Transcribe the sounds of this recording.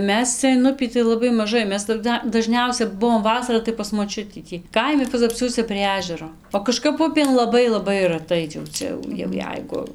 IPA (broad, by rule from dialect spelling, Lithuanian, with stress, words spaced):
ˈmʲɛs ˈt͡sʲɛ ɪn ˈʊpʲiː tɐɪ lˠɐˈbɐɪ mɐˈʒɐɪ ˈmʲɛs tɐˈdɐ dɐˈʒʲnʲɛʊsʲɛ ˈbʊʋoːm ˈʋɑːsɐrɐ tɐɪ pɐs moːˈt͡ʃʲʊtʲiː ˈtʲiː ˈkɐɪmʲɪ pɐzɐpʲˈsʲuɔsʲɛ pʲrʲiɛ ˈæːʒʲɛroː oː kɐˈʃkɐp ˈʊpʲeːn lˠɐˈbɐɪ lˠɐˈbɐɪ ˈrɑːtɐɪ jɛʊ ˈt͡sʲɛ jɛʊ jɛʊ ˈjɛɪɡʊ